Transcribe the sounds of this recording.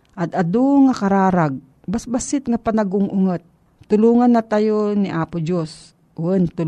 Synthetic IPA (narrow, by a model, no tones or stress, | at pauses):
ʔad̪ɐd̪uŋakaɾaːɾaɡ̚ | basbasɪt̪̚ŋapanaɡʊŋʔʊŋat̪̚ | t̪ʊluːŋanːat̪ajoniʔaːpʊd͡ʒos | ʔʊɛnt̪ʊ